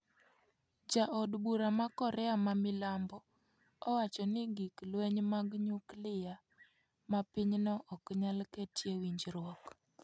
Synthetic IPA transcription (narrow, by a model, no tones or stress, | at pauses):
d͡ʒaʔɔdbuɾamakɔɾɛamamɪlambɔ | ɔwat͡ʃɔnɪɡiklwɛɲmaɡɲuklɪja | mapɪɲnɔʔɔkɲalketjewiɲd͡ʒɾwɔk